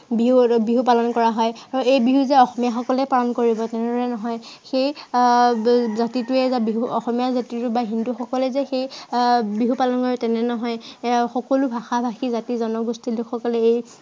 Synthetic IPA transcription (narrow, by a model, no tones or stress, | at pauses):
biɦubiɦupalɔnkɔɹaɦɔjaɹuejbiɦuzɛɔxɔmijaxɔkɔlɛpalɔnkoɹibɔtɛnɛdɔɹɛnɔɦɔjxej | zatitʊɛzabiɦuɔxɔmijazatitʊbaɦinduxɔkɔlɛzɛxejbiɦupalɔnkɔɹtɛnɛnɔɦɔjxɔkɔlʊbʱaxabʱaxizatizɔnɔɡustilʊkxɔkɔlɛej